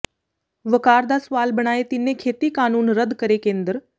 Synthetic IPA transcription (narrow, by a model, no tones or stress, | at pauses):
ʋəkaːɾd̪asʋaːlbəɳ̃aːet̪inːekʰet̪iːkaːnuːnɾəd̪kəɾekeːnd̪ɾ